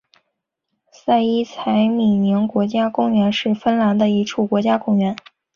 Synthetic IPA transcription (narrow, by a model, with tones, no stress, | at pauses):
sa˥˩ɪi˥t͡sʰa˧˥ɪmi˨˩ni˧˥ŋkwɔ˧˥t͡ɕja˥kʊ˥ŋɥɛ˧˥nʂɻ̩˥˩fə˥nla˧˥nd̪ə˧i˧˥ʈ͡ʂʰu˥˩kwɔ˧˥t͡ɕja˥kʊ˥ŋɥɛ˧˥n